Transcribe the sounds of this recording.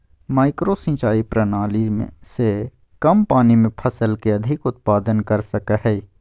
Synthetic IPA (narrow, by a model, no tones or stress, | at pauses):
maːɪkɾosɪ̃ːt͡ʃaːipɾənaːlimḛ̃se | kəmpaːnimẽpʰəsəlkeɐd̪ʱɪkʊt̪̚paːd̪ənkəɾsəkəɦɛ